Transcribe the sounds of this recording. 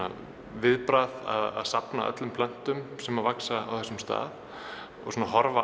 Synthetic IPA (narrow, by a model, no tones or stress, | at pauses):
a̰ | vɪðpɾaða̰ða̰ðsapnaʔœ̰t̪lʏmpʰlœn̥t̪ʏmsɛmavaksaa̰wθɛsʏmst̪a̰ːð | ɔ̰ɣsunaɦɔɾva